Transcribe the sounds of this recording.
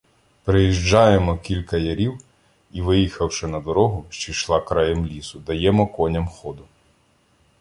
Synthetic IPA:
pɾɪjiʒd͡ʒɑjemɔkʲilʲkɐjɐɾʲiw | iʋɪjixɐwʃɛnɐd̪ɔɾɔɦʊʃt͡ʃijʃlˠɑkɾɑjɛmlʲisʊd̪ɐjɛmɔkɔnʲɐmxɔd̪ʊ

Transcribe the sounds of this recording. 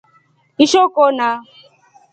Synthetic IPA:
iʃokona

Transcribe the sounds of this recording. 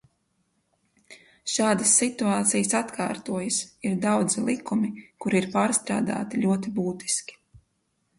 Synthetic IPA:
ʃaːd̪ɐsːit̪uaːt̪sijəsat̪kʰa̰ːɾt̪uɔjasiɾd̪awd̪zilˠikumikuɾiɾpaːɾst̪ɾa̰ːd̪a̰ːt̪iʎʲuɔt̪ibuːt̪i̥skʲi̥

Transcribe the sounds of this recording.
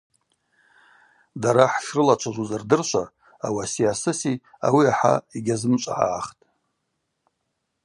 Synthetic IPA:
daɾaħʃrɨlat͡ʃʷʰaʒʷuzardɨrʃʷʰa | awasiasɨsi | a̰wiaħa̰iɡʲazɨmt͡ʃʷʼa̰ʕa̰ːχtʼ

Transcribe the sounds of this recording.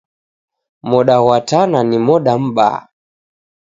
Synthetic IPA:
mɔɗaɣwatananimɔɗam̩ɓa̰

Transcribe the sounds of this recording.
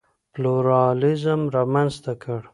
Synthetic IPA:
pluɾɑlɪzəmɾɑmanzt̪akəɽ

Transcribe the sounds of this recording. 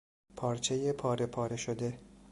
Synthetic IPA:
pʰɒːɾt͡ʃʰe̞jepʰɒːɾe̞pʰɒːɾe̞ʃod̪e̞

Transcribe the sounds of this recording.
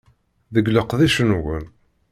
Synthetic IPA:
ðəɡləqðiʃənwən

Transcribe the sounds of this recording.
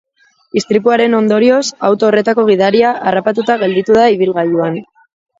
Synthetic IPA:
ist̪ɾipuaɾe̞no̞nd̪o̞ɾio̞sawt̪o̞ːre̞t̪ako̞ɣ̞iðaɾiaʔarapat̪ut̪aɣe̞ld̪it̪uðaiβ̞ilɣaʎuan

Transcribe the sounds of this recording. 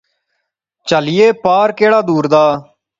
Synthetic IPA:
t͡ʃəlɪjeːpaːɾkeːɽaːd̪uːɾd̪aː

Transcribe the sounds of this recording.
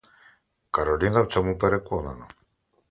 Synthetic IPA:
kaɾolinawt͡somupeɾekuonana

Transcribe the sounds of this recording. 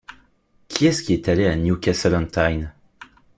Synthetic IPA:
kʲʰiɛskʲiɛt̪aleanjukʲasɛlɔ̃nt̪ʰajn

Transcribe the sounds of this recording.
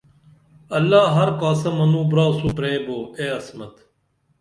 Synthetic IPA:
ɐlːaːɦɐɾkaːsɐmɐnũːbɾaːsupɾeːboːeːɐsmɐt̪

